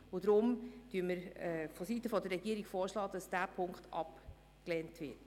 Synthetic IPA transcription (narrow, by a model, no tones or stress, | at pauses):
ʊdɾʊmd̥yəməɾfɔsitəfɔdərːɛɡiəɾiɡ̥foːɾʃlɑːd̥ɑsd̥æːpʰʊŋkχtɑ̰p | kleːntʋɪt